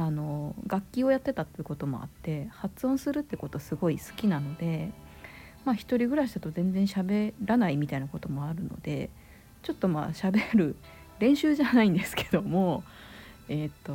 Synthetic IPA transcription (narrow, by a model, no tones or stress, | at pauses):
ano̞ɡakʲːio̞jat̪ːe̞t̪at̪ːeɯ̟ko̞t̪o̞mo̞̰a̰t̪ːe̞hat͡sɨõsɨɾɯ̟t̪ːeko̞t̪o̞sɨɡo̞isɨ̥kʲinano̞d̪e̞ | maçi̥t̪o̞ɾʲiɡɯ̟ɾaɕid̪at̪o̞zẽ̞nd͡zẽ̞ɰ̃ɕabe̞ɾanaimʲit̪ainako̞t̪o̞mo̞aɾɯ̟no̞̰d̪e̞̰ | t͡ɕo̞t̪ːo̞ma̰ɕabe̞ɾɯ̟ | ɾẽ̞ɰ̃ɕɨːʑanaĩnd̪e̞sɨ̥kʰe̞̥d̪o̞mo̞ | et̪ːo̞